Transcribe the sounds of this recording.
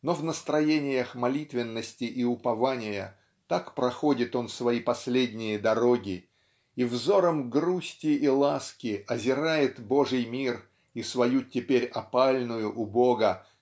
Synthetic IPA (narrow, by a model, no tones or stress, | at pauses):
no̞vnəst̪ɾɐjenʲɪjəxmɐlʲit̪vʲɪnːəsʲtʲɪʔiʊpɐvanʲɪjə̰ | t̪akpɾɐxo̞dʲɪt̪o̞nsvɐipɐsʲlʲedʲnʲɪjəd̪ɐɾoɡʲɪ | ivzo̞ɾəmɡɾusʲtʲɪʔilˠaskʲɪʔɐzʲɪɾajɪt̪bo̞ʐɨjmʲir | isvɐjutʲːɪpʲeɾʲɐpalʲnʊjʊʔʊboɡə